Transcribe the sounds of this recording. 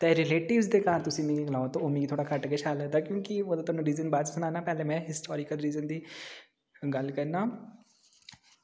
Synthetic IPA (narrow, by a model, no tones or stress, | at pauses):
t̪eːɾɪleːʈɪʋzd̪eːkaːɾt̪ʊsĩːmĩɡiɡlaːot̪õoːmĩit̪ʰoːɽaːkəʈkeːt͡ʃʰaːləd̪aːkjõːkioːd̪aːt̪ʊaːnũːɾiːzənbaːt̪sənaːnaːpɛːlemɛ̃ːɦɪsʈʰɔːɾɪkəlɾiːzənd̪iː | ɡəlkəɾnaː